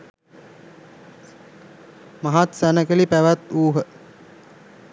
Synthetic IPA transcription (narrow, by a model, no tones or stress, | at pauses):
maɦat̪sænəkəlipæʋæt̪uːɦə